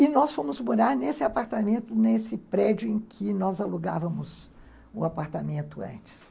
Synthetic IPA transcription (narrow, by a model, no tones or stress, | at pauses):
ɪnɔsfõmʊzmoɾaɾnesɪapaɾt̪amẽnt̪ʊnesɪpɾɛd͡ʒʊẽj̃kʰɪnɔzaluɡa̰vɐmʊz | ʊ̰apaɾt̪amẽnt̪ʊɐ̰̃t͡ʃɪ̥s